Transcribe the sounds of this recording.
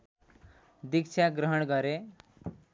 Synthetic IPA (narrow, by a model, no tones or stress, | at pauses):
d̪ikt͡ʃʰaɡɾəɦəɳɡʌɾe